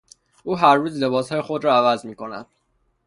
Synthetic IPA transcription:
ʔuːɦæɾːuːzle̞bɒːshɒːje̞xo̞d̪ɾɒːævæzmiːkʰo̞næ̰d̪̥̚

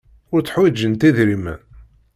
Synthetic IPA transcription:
ʊɾt͡sːħwid͡ʒːənt̪iðɾimə̰n

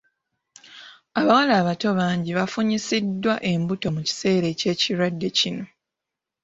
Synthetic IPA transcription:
aβawalaːβato̞βaːɲɟiβafuɲisidːwaʔe̞mbuto̞muci̥se̞ːɾe̞ce̞ːciɾwadːe̞cino̞

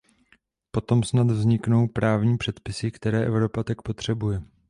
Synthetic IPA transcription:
po̞t̪o̞msnad̪vzɲɪkno̞wpɾaːvɲiːpr̥ɛt̪pɪsɪkt̪ɛɾɛːʔɛvɾo̞pat̪ak̚po̞t̪r̝̥ɛbujɛ

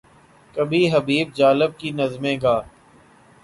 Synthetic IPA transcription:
kəbʱiɦəbiːb̚d͡ʒaːlɪb̚kinəzmẽːɡaː

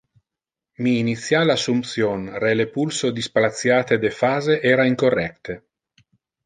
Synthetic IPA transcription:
miːnit̪sːjalasumpt̪sjonrelepulsod̪ispalat̪sːjaːt̪ed̪efaːzeʔɛːɾaiŋkorːɛk̚t̪e

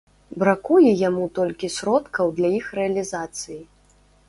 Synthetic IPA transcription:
bɾakujɛjamut̪ɔlʲkʲisʲɾɔt̪kɐwd̪lʲaixrɛɐlʲizat̪sɨji

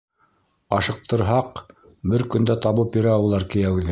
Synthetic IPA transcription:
ɑʃɤ̆q̚t̪ɤ̆ɾɦɑq | bɘɾkɵ̆nd̪æt̪ɑβɤpjɵ̆ɾæːwɤ̆lˠɑɾkɘ̆jæwɘðɘ

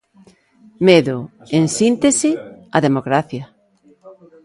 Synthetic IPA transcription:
meðoensint̪esiaðemoɣɾaθja

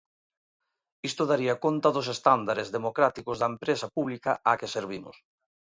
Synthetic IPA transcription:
ist̪oðaɾiakont̪ɐðʊs̬est̪and̪aɾezðemokɾat̪ikozðɐempɾesapuβlikɐakeseɾβ̞imʊ̰s

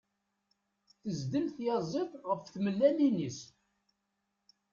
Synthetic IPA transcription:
θəzd̪əlθjɑzˤet̪ˤʁəfθməlːælinis

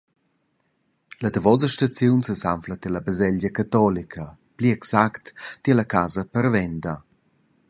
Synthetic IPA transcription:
lɐdəvɔzəʃtat͡sjunsəsamflət̪ɛlabəzɛʎɟəkat̪ɔlikʰəpliɛksakt̪tilɐkaːzəpəɾvɛndə

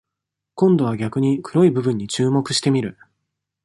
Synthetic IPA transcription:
kõ̞nd̪o̞β̞aɡʲakɯ̟ɲ̟ikʰɯ̟ɾo̞ibɯ̟bɯ̟̃ɲ̟ːit͡ɕɨːmo̞kɯ̟ɕi̥t̪e̞mʲiɾɯ̟

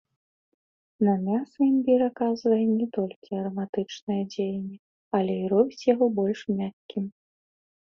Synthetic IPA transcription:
nɐmʲasimbʲiɾɐkazvɐjɛnʲɛt̪ɔlʲkʲiɐɾɐmat̪ɨt͡ʂnɨjɐd͡zʲejnʲːɛ | ɐlʲɛiɾɔbʲit͡sʲjaɣɔbɔlʲʂmʲakʲkʲim

